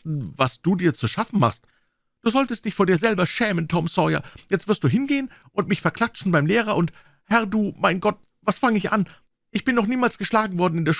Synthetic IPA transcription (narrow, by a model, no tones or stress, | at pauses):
n̩vasd̥uːdiːɐt͡suʃafn̩ma̰χst | d̥uːzɔltəst̚d̥ɪçfoːɐdiːɐzɛlbɐʃɛːməntʰɔmsɔja̰jɛt͡stv̥ɪɐstd̥uːɦɪnɡeːən | ʔʊntmɪçfɛɐkʰl̥at͡ʃn̩baɪmleːʁ̞ɐʔʊnt | hɛɐduːmaɪnɡɔt | vasfaŋəɪçʔa̰n | ʔɪçb̥ɪnːɔχniːmaːlsɡ̥əʃlaːɡŋ̩vɔɐdn̩ɪndeːɐʃ